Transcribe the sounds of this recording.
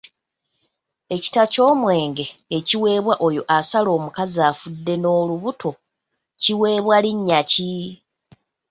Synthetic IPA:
e̞ci̥taco̞ːmwe̞ːŋɡe̞ːciwe̞ːβwaʔo̞jo̞ʔasalo̞ːmukazaːfudːe̞no̞ːluβuto̞ | ciwe̞ːβwaliɲːaci

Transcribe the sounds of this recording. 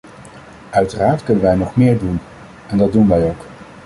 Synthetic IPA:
œɥtəraːɹtkɵnənʋɛjnɔχmɪːɹdun | ɛndɑd̚unʋɛjowk

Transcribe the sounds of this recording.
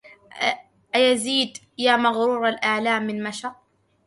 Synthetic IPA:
ʔajaziːd̪ | jaːmaɣɾuːɾˤalʔaʕlaːmːɪnmaʃɑq̚

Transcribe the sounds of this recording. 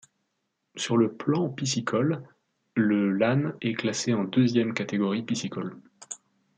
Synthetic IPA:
syʁləplɑ̃pisikʰɔlː | əlanɛklaseɑ̃d̪øzjɛmkat̪eɡɔʁipisikɔl

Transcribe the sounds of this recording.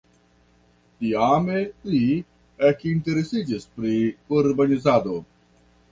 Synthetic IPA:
t̪iaːmeli | ekint̪eɾesid͡ʒispɾiuɾbɐnizaːd̪o

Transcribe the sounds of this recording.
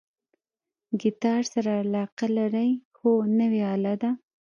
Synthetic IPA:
ɡɪt̪ɑɾsaɾaːlɑqalaɾajxonəweɑlad̪a

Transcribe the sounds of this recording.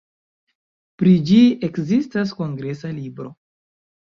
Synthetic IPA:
pɾid͡ʒiekzistas̬ko̞ŋɡɾe̞salibɾo̞

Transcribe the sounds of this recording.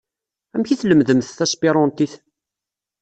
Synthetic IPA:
æmçiθləmðəmθθæspiɾˤɔnt̪iθ

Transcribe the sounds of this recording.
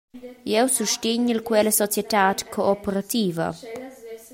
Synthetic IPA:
jɛwsuʃtɪɲəlkwɛləsɔt͡sjɛt̪aːtkʰoɔpeɾat̪iːvɐ̰

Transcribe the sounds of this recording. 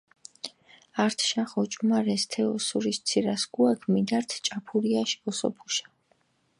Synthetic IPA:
aɾt̪ʰʃaχɔt͡ʃʼmaɾɛst̪ʰɛɔsuɾist̪sʰiɾasɡ̥uakʰmid̪aɾt̪ʰt͡ʃʼapʰuɾiaʃi̥ɔsɔ̰pʰu̥ʃḁ

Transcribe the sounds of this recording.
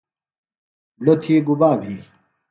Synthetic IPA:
lot̪ʰiːɡubaːbʱiː

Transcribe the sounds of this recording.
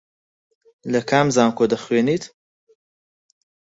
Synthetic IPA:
lɐkʰaːmzaːmkʰoːd̪ɐxweːniːt̪

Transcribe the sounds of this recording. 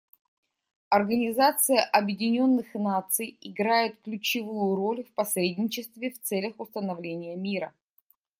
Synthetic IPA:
ɐrɡənʲɪzat̪sɨjəʔɐbjɪdʲɪnʲo̞nːɨxnat̪sɨjɪɡɾajɪt̪klʲʉt͡ɕɪvujʊɾo̞lʲfpɐsɾʲedʲnʲɪt͡ɕɪst̪vʲɪft̪sɛlʲəxʊst̪ənɐvlʲenʲɪjəmʲiɾə

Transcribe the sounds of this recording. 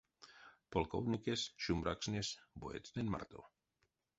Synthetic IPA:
polko̰wnikesʃumbɾaksnesboet̪t͡sd̪enma̰ɾt̪o̰

